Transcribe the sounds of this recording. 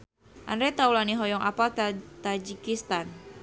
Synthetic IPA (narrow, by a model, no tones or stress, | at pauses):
ʔandɾɛt̪aulaniɦɔjɔŋʔapalt̪ad͡ʒikist̪an